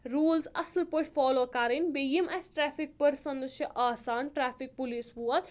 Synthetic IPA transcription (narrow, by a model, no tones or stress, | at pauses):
ɾuːlsɐ̰slpoʈfɔːloːkaɾinʲbejimʔesʈɾɛːfʰik̚pɐɾsɐ̃nd̪əʃjɐʔaːsaːnʈɾaːfik̚puliːsʋuɐt̪